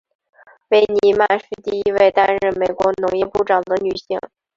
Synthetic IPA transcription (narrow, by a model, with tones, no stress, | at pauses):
we˥ɪni˧˥ma˥˧nʂɻ̩˥˧t̪i˥˧i˥we˥˧ɪt̪a˥nɻə˥˩nme˨˩ɪkwɔ˧˥nʊ˧˥ŋjɛ˥˧pu˥˩ʈ͡ʂɑ˨˩ŋd̪ə˦ny˨˩ɕi˥ŋ